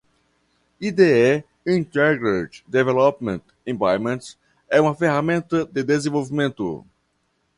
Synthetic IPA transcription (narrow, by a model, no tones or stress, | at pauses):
id̪eɛ | ĩnt̪ɛɾɡɾet͡ʃd̪evɛlɔpmẽnt̪ | ẽbajmẽnt̪s | ɛũmɐfeɦamẽnt̪ɐd̪ɪd̪ezẽvowvimẽnt̪ʊ̰